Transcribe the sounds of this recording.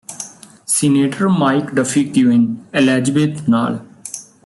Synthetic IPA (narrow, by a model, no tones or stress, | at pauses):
sineːʈəɾmaːɪkɖəfʰik̚ʈ̪iʋenɛlɛːd͡ʒəbeːt̪na̰ːl